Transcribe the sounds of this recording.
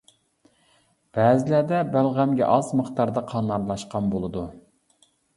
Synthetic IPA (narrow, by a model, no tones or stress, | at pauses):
b̥ɛːzɪlæd̪ɛbælʁæmɡʲɛ̰ʔɑzməχt̪ɑɾd̪ɑqʰɑnlˠɑɾlˠɑʃqɑmbolˠɨd̪u